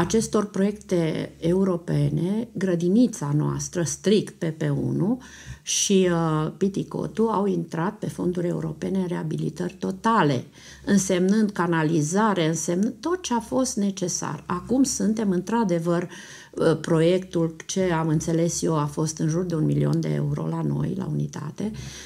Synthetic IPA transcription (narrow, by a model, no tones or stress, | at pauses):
at͡ʃe̞st̪o̞rpɾo̞je̞kt̪e̞ːuɾo̞pe̞ne̞ɡɾəd̪init̪sanoa̰st̪ɾəst̪ɾikt̪̚pe̞pe̞ṵnu | ʃipit̪iko̞̰t̪uawint̪ɾat̪̚pe̞fo̞̰nd̪uɾʲe̞ṵɾo̞̰penenre̞abilḭt̪ərʲt̪o̞t̪ale̞̰ | ɨnse̞mnɨnd̪̚kanalizaɾeɨnse̞mnɨt̪o̞t̪̚t͡ʃe̞afo̞st̪ne̞t͡ʃe̞sa̰rakumsunt̪e̞mɨnt̪ɾad̪e̞vər | pɾo̞je̞kt̪ult͡ʃe̞amɨnt̪se̞le̞sjewafo̞st̪ɨnʒurd̪eunmilio̞̰nd̪eḛuɾo̞̰lano̞̰jla̰unit̪a̰t̪e̞